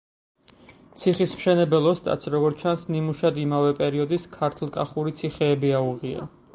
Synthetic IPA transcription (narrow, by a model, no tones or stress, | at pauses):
t̪sʰiχismʃɛnɛbɛlˠɔst̪ʼa̰t̪sʰɾɔɡɔɾt̪t͡ʃʰansnimuʃad̪imavɛpʼɛɾiɔd̪iskʰaɾt̪ʰlˠkʼaχuɾit̪sʰiχɛːbiauʁia̰